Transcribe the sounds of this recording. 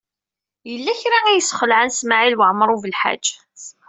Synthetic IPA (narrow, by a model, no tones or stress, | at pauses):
jəlːæçɾaæjəsːχəlʕansmaʕilwəʕməɾˤuvəlħa̰d͡ʒː